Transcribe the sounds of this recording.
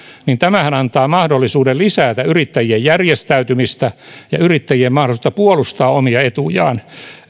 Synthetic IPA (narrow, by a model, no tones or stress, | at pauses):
nint̪æmæhænɑnt̪ɑːmɑhdolːisuːdellisæːt̪æyrit̪ːæjiejjærjest̪æyt̪ymist̪æjɑyrit̪ːæjiemmɑh̆olisŭ̥t̪ɑpuolust̪ɑːomiɑet̪ujɑ̰ːn